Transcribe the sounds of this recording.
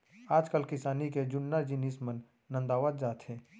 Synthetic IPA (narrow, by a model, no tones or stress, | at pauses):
aːd͡ʒkəlkɪsaːniked͡ʒʊnːad͡ʒɪniːsmənː | ə̃nd̪aːʋaːd̪̚d͡ʒaːt̪ɦɛː